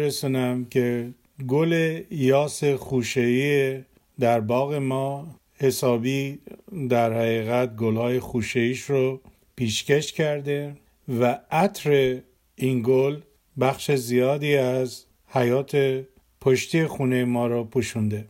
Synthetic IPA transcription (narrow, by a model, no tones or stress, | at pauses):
ɾesunæmkʰe̞ | ɡolejɒːse̞xuʃeiːe | d̪æɾbɒːɣe̞mɒː | he̞sɒːbiːd̪æɾhæɣiːɣæt̪̚ɡolhɒːje̞xuːʃeiːʃɾo | pʰiːʃce̞ʃcʰæɾd̪e̞ | vææt̪ʰɾe̞ | inɡol | bæxʃezijɒːd̪iːæz | hæjɒːt̪ʰe | pʰoʃt̪ijexuːnejemɒːɾɒpʰuʃund̪e̞